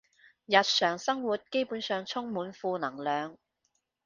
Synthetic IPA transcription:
jɐ˨t̚sœː˨˩ŋsɐ˥ŋwuː˨˩t̚ke˥jpuː˨˥nsœː˨˧ŋt͡sʰʊ˥ŋmuː˨˥nfuː˧nɐ˨˩ŋlœː˨˧ŋ

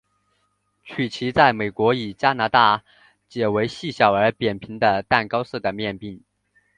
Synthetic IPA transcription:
t͡ɕʰy˨˩t͡ɕʰi˧˥t͡sa˥˩ɪme˨˩ɪkwɔ˧˥i˨˩t͡ɕja˥na˧˥t̪a˥˩ | t͡ɕjɛ˨˩we˧˥ɪɕi˥˩ɕjɑ˨˩ʊə˞˧˥pjɛ˨˩npʰi˧˥ŋd̪ə˧t̪a˥˩nkɑ˥ʊsɤ˥˩d̪ə˩mjɛ˥˧npi˥˩ŋ

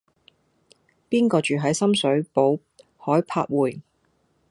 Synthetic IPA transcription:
piː˥nkɔː˧t͡ʃyː˨ɦɐ˨˥jsɐ˥msɵ˨˥ɥpo˨˥w | hɔː˨˥jpʰa̰ː˧˥t̚wuː˨˩j

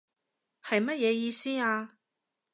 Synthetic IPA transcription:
hɐ˨jmɐ˥t̚jɛː˨˧jiː˧siː˥aː˧

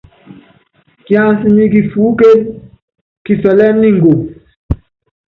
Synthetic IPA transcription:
kja˦nsi˨mi˦ki˨fuː˨˦ke˦n | ki˨sɛ˨lɛ˦ni˦ŋ̩˨ɡo˨

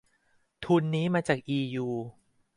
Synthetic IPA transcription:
t̪ʰu˧nːiː˦˥maː˧t͡ɕaː˨˩k̚ʔiː˧juː˧

